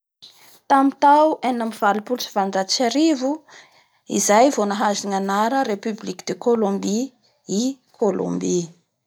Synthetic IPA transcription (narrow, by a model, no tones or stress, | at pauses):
t̪amit̪awenamivalupulʈ͡ʂiv̥aɳɖ͡ʐat͡ʃaɾivu | ḭzajvonaɦaziŋanaɾəɾepyblikid̪̥ekolombi | i | kʰolõ̰mbi